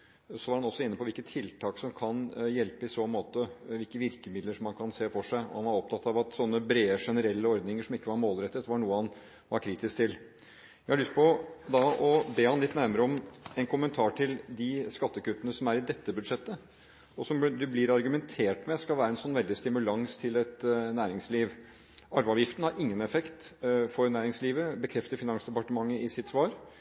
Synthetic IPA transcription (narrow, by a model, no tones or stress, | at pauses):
sɔʋɑɾhɑnɔsːɔɪnːəpɔʋɪlkət̪ʰːɪlt̪ʰɑːksɔmkʰɑnjɛlpəɪsɔmoːt̪əʋɪlkəʋɪɾkəmɪd̪ləʂɔmːɑnkʰɑnseːfɔʂæɪɔ̰hɑnʋɑɾɔp̚t̪ʰɑt̪ːɑʋɑt̪sɔnːəbɾeːəʂɛnəɾɛlːəɔɾd̪nɪŋəʂɔmɪkːəʋɑɾmoːlɾɛt̪ːət̪ʋɑɳuːəhɑn | ʋɑɾkʰɾiːt̪ɪskt̪ʰɪl | jæɪhɑɭʏst̪̚pʰɔd̪ɑɔbeːhɑnlɪt̪ːnæɾməɾəɔmɛnkʰʊmənt̪ʰɑːʈʰɪld̪ɪskɑt̪ːəkʉt̪ːənəsɔmæɾɪd̪ɛt̪ːəbʉd̪ʂɛt̪ːə | ɔsɔmd̪ʉblɪɾɑɾɡʉmɛnt̪ʰeːʈmɛskɑlʋæːɾəɛnsɔnːʋɛld̪ɪst̪ɪmʉlɑŋst̪ʰɪlɛt̪næːɾɪŋsliːʋ | ɑɾʋɑʋjɪft̪nəhɑɾɪŋːənɛfɛkt̪fɔɾnæːɾɪŋsliːʋəbəkʰɾɛft̪əɾfɪnɑŋsd̪ɛpɑʈəmɑŋːəɪsɪt̪sʋɑːɾ